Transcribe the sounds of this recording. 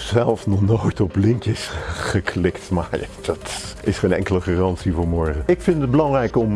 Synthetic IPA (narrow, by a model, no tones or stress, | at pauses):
zɛlˠfnɔχnojtɔplɪŋkjəsχəkʰlɪktmaɹa̰d̥ɑtʔɪsχejnɛ̰ŋkələχaːrɑnsivʊːɹmɔɹχəɪkfɪntəd̚bəlɑŋrɛjkɔm